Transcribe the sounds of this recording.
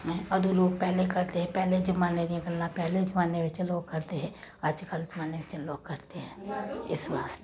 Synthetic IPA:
ɛ̃ɐd̪uloːɡ̚pɛɦlekɐɾt̪eɦɛ̃pɛɦled͡ʒəmaːned̪iẽɡəlːãpɛɦled͡ʒmaːneʋɪt͡ʃẽloːɡ̚kɐɾt̪eɦɛ̃ː | əːd͡ʒkəld͡ʒmaːneʋɪt͡ʃeloːɡ̚kɐɾt̪eɦɛ̃ːɪsʋaːst̪e

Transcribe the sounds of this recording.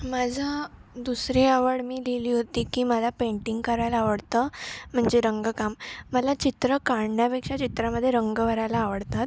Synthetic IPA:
mad͡zʱəd̪usɾiaʋəɽmiːleliːɦot̪iːkiːməlapẽɳʈiŋɡkəɾajlaaʋəɽt̪əm̤əɳd͡zeɾəŋɡəkamːəlat͡ɕit̪ɾəkaɽɳjapekʂat͡ɕit̪ɾaməd̪ʱːjeɾəŋɡəʋəɾajlaːʋəɽt̪at̪

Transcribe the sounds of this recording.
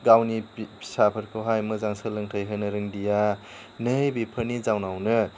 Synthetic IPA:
ɡawnisapʰɯɾkʰoɦajmɯzaŋsɯlɯŋtʰəjɦɯnɯɾɯŋdija | nɯjbipʰɯɾnizawnawnɯ

